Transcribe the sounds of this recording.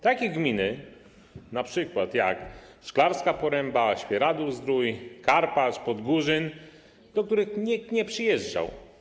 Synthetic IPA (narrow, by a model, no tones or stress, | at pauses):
t̪akʲɛɡmʲinɘ | napʂɘkwat̪ja̰kʂklaɾskapɔɾɛmbaɕpʲjɛɾad̪uzd̪ɾujkaɾpaʂpɔd̪ɡuʐɘn | d̪ɔk̚t̪uɾɘxɲik̚t̪ɲɛpʂɘjɛʐd͡ʐa̰w